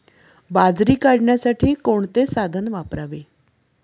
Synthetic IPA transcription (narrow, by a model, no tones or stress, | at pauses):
bad͡zɾiːkaɽɳjasaʈʰiːkoɳt̪esad̪ʱənʋapɾaʋe